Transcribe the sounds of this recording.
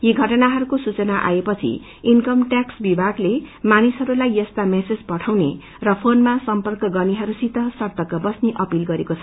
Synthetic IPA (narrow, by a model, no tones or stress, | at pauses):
jeɡʱʌʈʌnaɦʌɾukosut͡sʌnaʔa̰epʌt͡sʰḭ | inkʌmʈaksbibʱaɡlemanisɦʌɾulajːʌst̪amesed͡zpʌʈʰawne | rʌpʰonmasʌmpʌrkʌɡʌniɦʌɾusit̪ʌsʌrt̪ʌkʌbʌsniʔʌpilɡʌɾekot͡sʰʌ